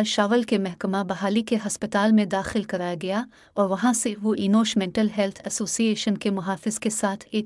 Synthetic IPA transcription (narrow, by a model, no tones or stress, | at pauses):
lʃaːʋɐlkemɐhkɐmabɐɦaːlikeɦaspɪt̪aːlmẽd̪aːxɪlkɐɾajaɡɐja | oːɾʋɐɦãːseɦuʔinoːʃmɛɳʈɐlɦɛlt̪ʰɐsoːsieʃɐnkemʊɦaːfɪzkesaːt̪ʰe